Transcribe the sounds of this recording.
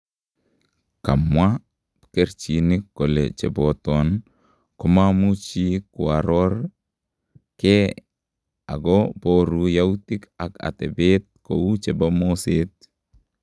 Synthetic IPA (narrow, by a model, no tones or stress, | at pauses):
ka̰mwḁ | keɾt͡ʃinikːolḛt͡ʃḛbot̪ɔn | komamut͡ʃikwaɾɔɾ | ke | a̰ɡɔb̥oɾujaut̪ika̰ka̰t̪ɛbet̪̚kout͡ʃebamoset̪̚